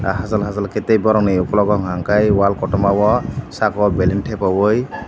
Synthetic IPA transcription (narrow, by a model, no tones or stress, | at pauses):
ɦazalɦazalketejbɔɾɔŋnejukɔlɔɡɔŋɦaŋkajwalkɔtɔmawɔsakɔbelinʈʰɛpawɔj